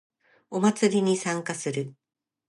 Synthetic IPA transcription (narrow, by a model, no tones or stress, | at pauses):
o̞mat͡sɨɾʲiɲ̟isãŋkasɨɾɯ̟